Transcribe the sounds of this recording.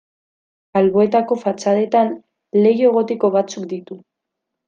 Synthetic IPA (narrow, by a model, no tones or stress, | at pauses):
alβo̞e̞t̪ako̞fat͡saðe̞t̪an | le̞ɣie̞ɣ̞o̞t̪eko̞β̞at͡sukd̪it̪u